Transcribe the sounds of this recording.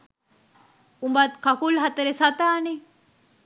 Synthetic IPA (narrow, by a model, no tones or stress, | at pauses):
umbat̪kakulɦɐt̪ɐɾesat̪aːne